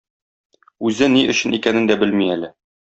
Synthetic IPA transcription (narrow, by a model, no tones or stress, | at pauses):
ʉzɘniʔɵ̆ɕɘ̆nikænɘnd̪æbɘlmiælɘ